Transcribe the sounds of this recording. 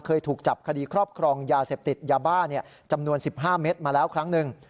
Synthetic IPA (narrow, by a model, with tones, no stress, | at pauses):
kʰɤː˧jt̪ʰuː˨˩k̚t͡ɕa˨˩p̚kʰa˧diː˧kʰɾɔː˥˩p̚kʰɾɔː˧ŋjaː˧seː˨˩p̚t̪i˨˩t̪̚jaː˧baː˥˩ni˥˩ɐ | t͡ɕa˧mnu˧ənsi˨˩p̚ɦaː˥˩meː˦˥t̪̚maː˧lɛː˦˥wkʰɾa˦˥ŋnɯ˨˩ŋ